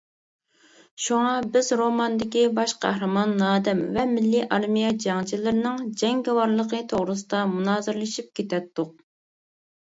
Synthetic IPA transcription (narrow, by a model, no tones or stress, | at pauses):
ʃuŋɑbɪzɾomɑnd̪ɪkʲibɑʃqʰæ̰hɾɨmɑnːɑːd̪ɛmvɛmɪlːiʔɑɾmijɛd͡ʒɑŋt͡ʃʰilɪɾnɪŋd͡ʒɛŋɡʲɛwɑɾlˠəqət̪ʰoʁɾɨs̬ɨd̪ɑmunɑːzɨɾlˠɨʃip̚kʲet̪ɛt̪ːʊq̚